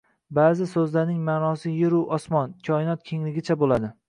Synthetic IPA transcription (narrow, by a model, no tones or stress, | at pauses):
baːzɪsɵzlaɾnɪŋmaːnɒsɪjɪɾʊʔɒsmɒnkʲʰɒɪnɒt̪̚kʲʰe̞ŋlɪɡʲɪt͡ʃʰabolad̪ɪ